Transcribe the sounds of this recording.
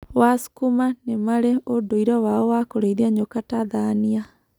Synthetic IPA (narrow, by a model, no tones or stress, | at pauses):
wasu̥kumanemaɾeodoiɾɔwaɔwakoɾeiðiaɲokataðania